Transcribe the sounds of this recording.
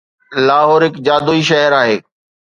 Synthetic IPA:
laːɦɔːɾɦɪkd͡ʑaːd̪uiʃ̬ɐɦəɾaːɦeː

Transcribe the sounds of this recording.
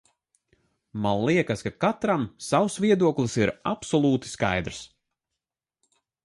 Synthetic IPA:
manliɛkaskakat̪ɾamsawsviɛd̪uɔklˠisiɾapsɔlˠuːt̪i̥skajd̪ɾs

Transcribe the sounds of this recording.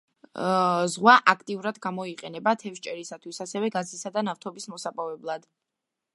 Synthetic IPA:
zʁwaʔakʰt̪ʼiuɾad̪ɡamɔiqʼɛnɛbat̪ʰɛfʃt͡ʃʼɛɾisat̪ʰwisasɛvɛɡazisad̪anaft̪ʰɔbismɔsapʼavɛblˠad̪̥

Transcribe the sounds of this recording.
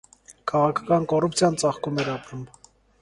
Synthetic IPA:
kʰɑʁɑkʰɑ̥kɑnkɔrup̚t͡sʰjɑnt͡sɑχkumɛɾɑpɾum

